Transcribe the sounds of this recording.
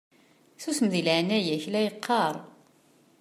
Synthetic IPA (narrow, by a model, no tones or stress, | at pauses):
θusəmðilʕnæjæçlæjəqʰːɑɾˤ